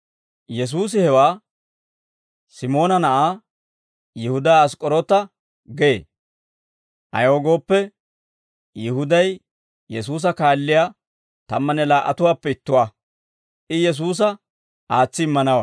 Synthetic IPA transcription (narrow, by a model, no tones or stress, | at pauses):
jɛs̬uːs̬ɪhɛwaː | sɪmo̞ːnɐnɐʔaː | jɪhʊd̪aːskʼɔɾɔt̪ɐ | ɡḛː | ʔɐ̰jo̞ːɡo̞ːpːɛ | jɪhʊd̪ɐj | jɛs̬uːs̬ɐkaːlːɪjaː | t̪ɐmːɐnɛlaːʔːɐ̰t̪ʊwaːpːɛɪt̪ːʊwaː | ʔɪjɛs̬uːs̬ɐ | aːt͡sːɪɪmːɐnɐwaː